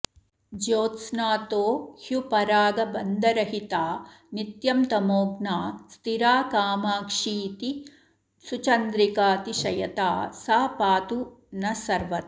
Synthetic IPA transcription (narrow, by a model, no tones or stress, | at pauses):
d͡ʒoːt̪snaːt̪oːhjupɐɾaːɡɐbɐnd̪ɐɾɐɦit̪aː | nit̪jɐmt̪ɐmoːɡnaːst̪iɾaːkaːmaːkʂiːt̪i | sut͡ʃɐnd̪ɾikaːt̪iʃɐjɐt̪aːsaːpaːt̪u | nɐsɐɾʋɐt̪̚